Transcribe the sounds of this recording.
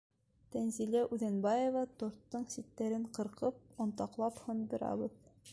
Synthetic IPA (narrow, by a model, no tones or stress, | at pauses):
t̪ænzilæʔʉðænbɑjŏvɑt̪ŏɾt̪ːɤɴsit̪ːæɾɘɴqɤ̆ɾqɤp̚ŏnt̪ɑqlˠɑphɤnb̪ŏɾɑ̰bɤð